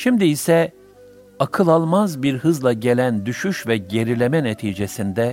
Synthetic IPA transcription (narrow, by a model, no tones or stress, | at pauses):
ʃimd̪iːsɛ | akʰɯlˠalˠmazbiɾhɯzlˠaɟe̞lʲænd̪yʃyʃvɛɟe̞ɾilʲe̞mɛnet̪ʰiːd͡ʒe̞sind̪ɛ